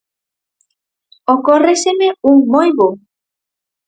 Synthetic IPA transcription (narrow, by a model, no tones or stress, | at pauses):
okoresemeuŋmojβo